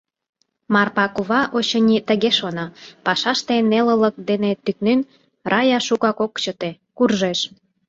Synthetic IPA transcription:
mɑrpɑkuβɑʔot͡ɕə̆nʲit̪əɣeʃonɑpɑʃɑʃt̪enelələ̆k̚d̪enet̪yk̚nyn | rɑjɑʃukɑkokt͡ɕə̆t̪e | kurʒeʃ

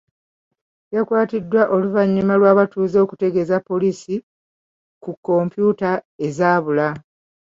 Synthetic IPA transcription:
jakwaːtidːwaʔo̞luvaɲːimalwaːβatuːzo̞ːku̥te̞ɡe̞zapːo̞liːsi | kukːo̞mpjuːtae̞zaːβula

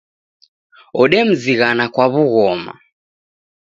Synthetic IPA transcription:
ɔɗɛm̩ziɣanakwaβuɣɔma̰

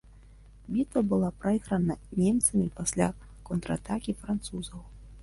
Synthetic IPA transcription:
bʲit̪vɐbɨlˠapɾaixɾɐnɐnʲɛmt̪sɐmʲipasʲlʲa | kɔnt̪ɾɐa̰t̪akʲifɾant̪suzɐw

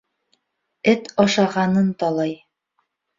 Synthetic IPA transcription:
ɘt̪ɒʃɑʁɑnɤnt̪ɒlˠɑj

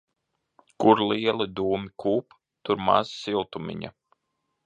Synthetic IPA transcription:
kuɾliɛlˠid̪uːmʲikʰuːp | t̪uɾma̰zsilˠt̪umḭɲa̰

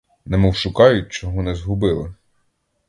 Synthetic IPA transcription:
nɛmɔwʃʊkɑjʊt̚ʲt͡ʃɔɦɔnɛzɦʊbɪlˠɪ

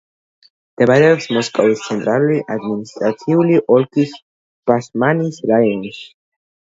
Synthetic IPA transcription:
md̪̥ɛmaɾɛɔpsmɔskʼɔvist̪sʰɛnt̪ʼɾaluliʔad̪minist̪ʼɾat̪sʰiuliʔɔlkʰis | b̥asmanisɾajɔnʃi̥

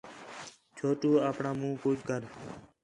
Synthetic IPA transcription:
t͡ʃʰoːʈuːaːpɳaːmũːkoːd͡ʒkəɾ

